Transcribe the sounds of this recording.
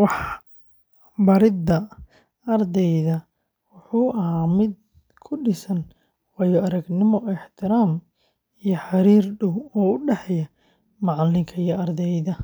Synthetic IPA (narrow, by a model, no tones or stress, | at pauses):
wɑħ | bɐɾɪd̪ɐ | ɐrd̪ɛjðɐ | wʊħuːʔɐɦaːmɪd̪̚ | kʰʊɖɪsɐn | wɐjɔɐɾɐɡnɪmɔɪħt̪ʰɪɾaːm | ijɔħɑɾiːrɖʊwɔːʊɖɛħɛjɐ | mɑʕlːɪŋkʰɐijɐɐrd̪ɛjðɐ